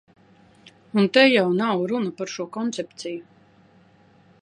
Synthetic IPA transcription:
unt̪ɛjawnawɾunɐpaɾʃuɔkɔnt̪sɛpt̪siju

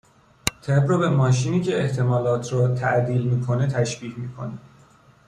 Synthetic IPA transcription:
t̪ʰebɾɔbe̞mɒːʃ̬iːniːcʰe̞eht̪ʰe̞mɒːlɒːt̪ʰɾɒt̪ʰæʔd̪iːlmiːkʰo̞ne̞t̪ʰæʃb̥iːcmiːkʰo̞̰ni

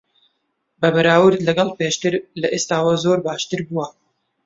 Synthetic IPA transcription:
bɐbɐɾaːwɨɾd̪lɐɡɑlˠpeːʃt̪ɨɾlɐʔeːst̪aːwɐzoːɾbaːʃt̪ɨɾbuwɐ

